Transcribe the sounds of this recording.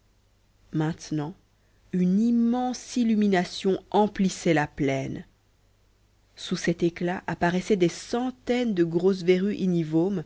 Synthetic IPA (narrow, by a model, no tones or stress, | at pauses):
mɛ̃t̪nɑ̃ | ynimɑ̃silyminasjɔ̃ʔɑ̃plisɛlaplɛn | susɛt̪eklaʔapaʁɛsɛd̪esɑ̃t̪ɛnd̪əɡʁos̬veʁyʔinivom